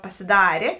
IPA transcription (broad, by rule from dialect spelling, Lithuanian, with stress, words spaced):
pɐsʲɪˈdɑːrʲeː